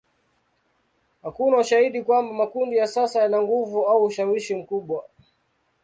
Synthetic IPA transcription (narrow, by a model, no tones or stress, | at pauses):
hakunauʃahiɗikwambamakundijasasajanaŋɡuvuauːʃawiʃim̩kuɓwa